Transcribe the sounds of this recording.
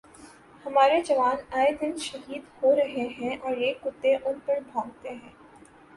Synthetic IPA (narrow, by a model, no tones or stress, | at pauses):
hɐmaːɾed͡ʒɐʋaːnaːjd̪ɪnʃɐɦiːd̪hoɾɐɦeɦɛ̃ʔɔːɾjekʊt̪ːeʔʊnpɐɾbʱãːɡt̪eɦɛ̃ː